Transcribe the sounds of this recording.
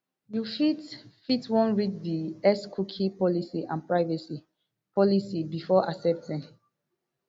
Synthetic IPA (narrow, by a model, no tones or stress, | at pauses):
jufitfitwɔ̃nɹitdiɛskʰukʰĩpɔlisiʔãnpɹaɪvɛsi | pɔlisibifɔʔasɛp̚tɛ̃n